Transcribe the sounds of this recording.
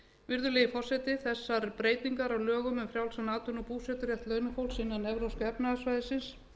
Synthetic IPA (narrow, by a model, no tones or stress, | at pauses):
vɪɾðʏlɛjɪfɔr̥sɛt̪ɪθɛsːaɾpɾeːjt̪niŋkaɾawlœːɣʏmʏmfɾjawlsanaːt̪ʏnɔpuːsɛt̪ʏɾrjɛht̪lœɥnʏfowlsɪnːanːɛvɾowskɛpnaasvajðɪsɪns